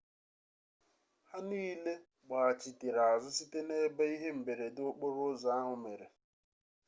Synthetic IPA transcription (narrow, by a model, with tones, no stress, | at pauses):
ha˦niː˦le˦ | ɡ͡ba˨a˨t͡ʃi˨ti˨ɾa˨a˨zʊ˦si˦te˦ne˦be˦i˦ɦe˦m̩˨be˨ɾe˨do˦k͡po˦ɾʊ˦za˦a˦ɦʊ˨me˨ɾe˨